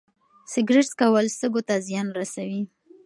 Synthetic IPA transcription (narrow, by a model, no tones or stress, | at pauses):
sɪɡɾɪʈskawəlst̪əɡot̪azjɑnɾasawi